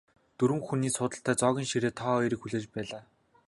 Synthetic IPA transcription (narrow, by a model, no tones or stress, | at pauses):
t̪uɾwɘ̆mxuniːsʊːt̪ə̆ɬt̪æːt͡sɔːɣʲiːnʃiɾeːt̪ʰɔːiɾɘ̆kxuɮeːt͡ɕpæːɮaː